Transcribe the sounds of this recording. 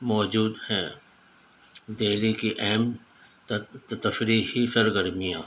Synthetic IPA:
mɔːd͡ʒuːd̪hɛ̃ | d̪eːlikiʔɛɦm | t̪ɐfɾihisɐɾɡəɾmijãː

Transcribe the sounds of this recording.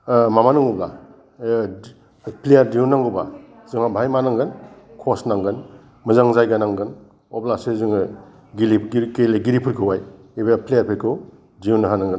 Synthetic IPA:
mamanuŋɔbla̰ | pʰlejaɾdiunːaŋɡɯba̰ | zɯŋabʱajmanaŋɡɯnkʰosnaŋɡɯn | mɯzaŋzajɡanaŋɡɯn | ɔblasezɯŋ | ɡilikeleɡiɾipʰuɾkʰɯwaj | ibapʰlejaɾpʰekʰu | diunɯɦanaŋɡɯn

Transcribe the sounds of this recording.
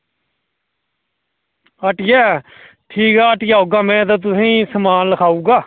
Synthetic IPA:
əʈjɛː | ʈʰiːkaːəʈɪjaːɦoːɡaːmɛ̃ːt̪̬ãːt̪̬ʊsĩːsəmaːnləkʰaːuːɡaː

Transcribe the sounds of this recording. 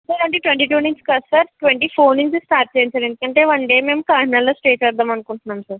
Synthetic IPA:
sɐɾɐɳʈiːʈʋeɳʈiːʈuːniɲskɐsɐɾʈʋeɳʈiːpʰoːniɲt͡ʃisʈaːɾ̚t͡ʃeːinsɐːɾend̪ukɐɳʈeːʋɐɳɖeːme̞ːmkaːnaloːsʈeːt͡ʃɐɾd̪aːmɐnukuɳʈunːaːmsɐɾ

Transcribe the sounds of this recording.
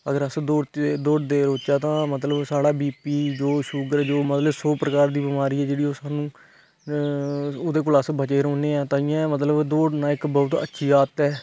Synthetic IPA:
ə̰ɡəɾəsd̪oːd̪oːɖd̪eːɾoːt͡ʃaːt̪ãːmət̪ləbsaːɽaːbiːpiːd͡ʒoːʃʊɡəɾd͡ʒoːmət̪ləbsoːpɾəkaːɾd̪iːbɪmaːɾiːɛːd͡ʒeːɽiːoːsaːnũː | ʊd̪eːk̬ʊləsbət͡ʃeːɾɔːneːɛːt̪ãːɪjãːmət̪̬ləbd̪oːɖnãːɪkbɔːʊt̪ə̰tːʃʰiːaːt̪ɛː

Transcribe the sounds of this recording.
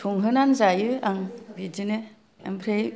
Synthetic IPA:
tʰuŋɦɯnanzajɯaŋbidinɯ | a̰mpʰɾej

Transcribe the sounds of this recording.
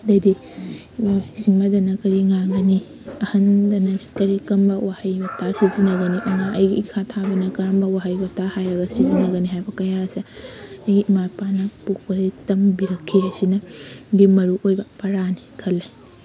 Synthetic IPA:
dɐdi | siŋmɐdɐnɐkɐɾiŋaɡɐni | ɐhɐndɐnɐkɐɾikɐmbɐwahɐjbɐtasizinɐɡɐniʔɐŋaʔɐjɡikʰatʰabɐnɐkɐɾɐmbɐwaɦɐjbɐtahajɾɐɡɐsizinɐɡɐniɦajbɐkɐjasɐɐjɡiʔmajpanɐpuk̚pɐɾɐtɐmbiɾɐkʰːiɐsinɐlimːɐɾuʔojbɐpɐɾanikʰɐlːej

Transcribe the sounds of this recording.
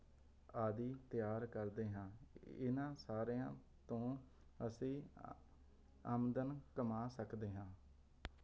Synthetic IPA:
aːd̪iːt̪ɪjaːɾkəɾd̪eːɦãːɪ̰nãːsaːɾeːãː | t̪õː | əsĩː | əmd̪ənkəmaːsəkd̪eːɦãː

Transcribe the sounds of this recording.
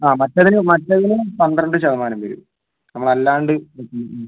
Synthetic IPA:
aːmɐtːɐðinɨmɐtːɐðinɨpɐnd̪rɐɳɖɨt͡ɕɐðɐmaːnɐmʋɐɾṵ | nɐmːɐɭɐlːaːɳɖɨʋekːu

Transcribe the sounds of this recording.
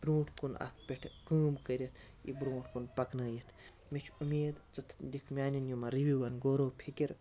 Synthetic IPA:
b̥ɾũːʈʰkunɐ̰st̪ʰpʲeʈʰkəːmkəɾʲit̪ʰ | ḭbɾũːʈʰkunpɐknaːjit̪ʰ | mit͡ʃʰumʲeːd̪t͡sɐt̪ʰd̪ikʰmʲaːnʲinjumɐɾiʋiʋɐnɡoːɾoːpʰikʲiɾ

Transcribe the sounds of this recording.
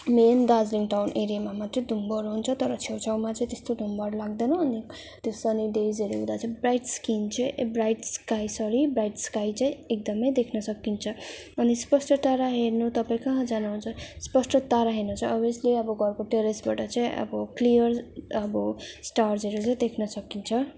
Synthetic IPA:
mend̪ad͡zliŋʈawnʔeɾijamamat̪rĩd̪ʱumbʌɾɦunt͡sʰʌt̪ʌɾʌt͡sʰewt͡sʰawmat͡sʌ̃j̃t̪est̪od̪ʱumbʌɾlaɡd̪enʌːni | t̪osʌniɖezeɾuɦũd̪at͡sʌĩbrajʈskint͡sʌ̃iʔbrajʈskajsʌɾibrajʈskajt͡sãĩek̚d̪ʌmʌjd̪ekʰnʌsʌkːint͡sʰʌ | ʌnispʌsʈʌt̪aɾaɦeɾnut̪ʌpaĩkʌɦãd͡zanaɦunt͡sʰʌspʌsʈʌt̪aɾaɦernut͡sʰʌʌbisleʌbʌɡʌrkoʈeɾesbaʈʌt͡saĩʔʌ̰bʌklijʌrʌbʌsʈarzʌɾut͡saĩd̪ekʰnʌsʌkːint͡sʰʌ

